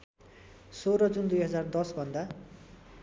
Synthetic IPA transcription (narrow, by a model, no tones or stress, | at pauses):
soɾʌd͡zund̪ujɦʌd͡zard̪ʌsbʱʌnd̪a